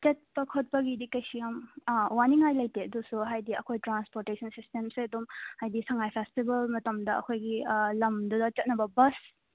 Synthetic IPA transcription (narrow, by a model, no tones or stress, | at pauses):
t͡ʃɐt̚pɐkʰot̚pɐɡidikɐjsijɐmwaniŋajlɐjteɐdusuɦajdiɐkʰojtɾanspoɾtesʰɐnsistemseɐdumhajdisɐŋajpʰestibɐlmɐtɐmdɐɐ̰kʰojɡilɐmdudɐt͡ʃɐt̚nɐbɐbɐs